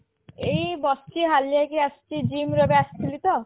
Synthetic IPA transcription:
ejbɔst͡ʃiɦaljajkiast͡ʃid͡ʑimɾɔbeast̪ʰilit̪ɔ

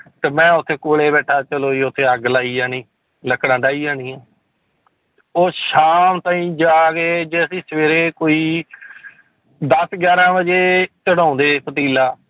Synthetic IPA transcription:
t̪eːmɛ̃ːʊt̪ʰːeːkoːleːbɛːʈʰaːt͡ʃəloːiːʊt̪ʰːeːəɡlaːiːd͡ʒaːnĩː | ləkɽãːɖaːiːd͡ʒãːniːãː | oːʃaːmt̪ãːĩːd͡ʒaːɡeːd͡ʒeːəsĩːsəʋeːɾeːkoːiː | d̪əsɡjaːɾãːʋəd͡ʒeːt͡ʃəɽãːnd̪eːpət̪iːlaː

